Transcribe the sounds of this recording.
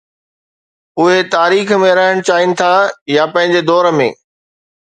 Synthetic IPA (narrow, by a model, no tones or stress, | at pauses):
ʊɦet̪aːɾiːxmẽɾɐɦəɽ̃t͡ɕaːɪnɪ̆t̪ʰajapɐ̃ɦɪ̃ɲ̆d͡ʑed̪ɔːɾəmḛ̃ː